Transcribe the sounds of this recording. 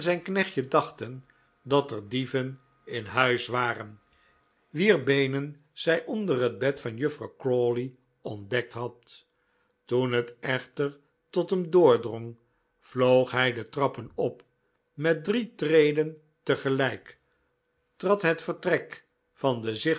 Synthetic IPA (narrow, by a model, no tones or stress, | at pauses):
zɛjnknɛχtjədɑχtən | dɑtərdivən | ɪnɦœɥsʋaːrən | ʋiːɹbejnən | z̥ɛjʔɔndərɦəd̚bɛtfɑnjɵfrɑwkroli | ɔndɛk̚tɦɑt | tunɦətɛχtəɹ | tɔtɦəmdʊːɹdrɔŋ | v̥lowχɦɛjdətrɑpənɔp | mɛt̚dritrejdən | təχəlɛjk | trɑtɦətfəɹtrɛk | fɑndəzɪ